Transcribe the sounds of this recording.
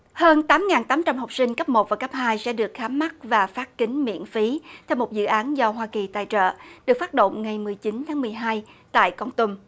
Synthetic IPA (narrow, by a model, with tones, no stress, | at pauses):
həː˧nt̪aː˨˦mŋaː˨˩nt̪aː˨˦mt͡ɕa˧mhə˨˩wk͡p̚sï˧ŋ̟kə˦˥p̚mo˨˩t̚vaː˨˩kə˦˥p̚haː˧jsɛ̰˧˥ɗɨ˨˩ək̚xaː˨˦mːa˦˥t̚vaː˨˩faː˦˥t̚kï˨˦ŋ̟mḭ˧˨ənfi˨˦t̪ʰɛ˧wmo˨˩t̚zɨ̰˧˨ʔaː˨˦nzɔ˧ɦwaː˧ki˨˩t̪a̰ː˧˨jt͡ɕə̰ː˧˨ɗɨ˨˩ək̚faː˦˥t̚ɗo̰˧˨ŋ͡mŋa˨˩jmɨ˨˩əjt͡ɕi˨˦nt̪ʰaː˨˦ŋmɨ˨˩əjɦaː˧jt̪a̰ː˧˨jkɔ˧nt̪u˧ŋ͡m